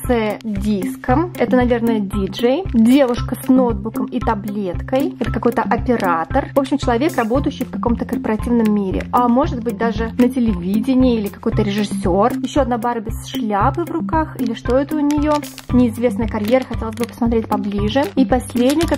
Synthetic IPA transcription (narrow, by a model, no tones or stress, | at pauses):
sɨdʲiskəmɛt̪ənɐvʲe̞rnəjədʲid͡ʐəjdʲe̞vʊʂkəsnod̪̚bukəmit̪ɐblʲet̪kəjɛt̪əkɐko̞jt̪əʔɐpʲɪɾat̪ərvo̞pɕːɪmt͡ɕɪlˠɐvʲe̞krɐbo̞t̪əjʏɕːɪjfkɐko̞mt̪əkərpəɾɐtʲivnəmːʲiɾʲɪ̰ʔamo̞ʐɨd̪̚bɨt̚ʲd̪aʐɨnətʲɪlʲɪvʲidʲɪnʲɪɪilʲɪkɐko̞jt̪əɾʲɪʐɨsʲo̞rjɪɕːoɐd̪nabaɾəbʲɪsʂlʲapɨvrʊkaxilʲɪʂt̪o̞ɛt̪əʊnʲɪjo̞ | nʲɪɪzvʲe̞snəjəkɐɾʲjeɾəxɐtʲelˠəzʲbɨpə̥smɐt̪ɾʲet̚ʲpɐblʲiʐɨipɐsʲlʲedʲnʲɪjək